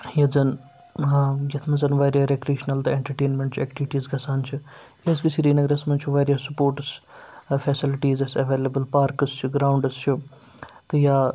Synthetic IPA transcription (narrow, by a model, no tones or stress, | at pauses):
jɐzɐn | jɐt̪ʰmɐzɐnʋaːɾijaːɾekɾeːʃnɐlt̪ɐeɳʈɐɾʈeːnmẽɳʈt͡ʃʰɛːk̚ʈiʋiʈiːzɡɐsaːnt͡ʃʰi | jɐskisiːɾiːnɐɡɾɐsmɐnt͡ʃʰuʋaːɾijaːsupoːɾʈsfʰɛːsɪlɪʈiːzɐsɐʋeːlɐbəlpaːɾkɐst͡ʃʰuɡɾaːʊɳɖɨst͡ʃʰu | t̪ɨjaː